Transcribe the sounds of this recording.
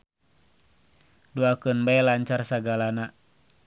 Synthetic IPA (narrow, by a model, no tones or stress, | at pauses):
duakənbajlaɲt͡ʃarsaɡalana